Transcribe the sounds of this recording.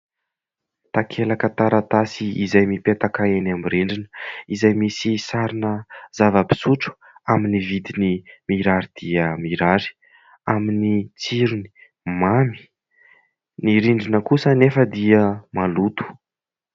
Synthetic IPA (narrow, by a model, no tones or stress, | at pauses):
t̪akʰelakət̪aɾat̪asiizajmipet̪akaenamiɾiɳɖ͡ʐinə̥izajmisisaɾinəz̥avəpi̥suʈ͡ʂu̥ | aminivid̪inimiɾaɾid̪̥iəmiɾaɾi̥ | aminit͡siɾuni̥ | mami̥ | niɾiɳɖ͡ʐinəkusənefəd̪iəmalut̪u̥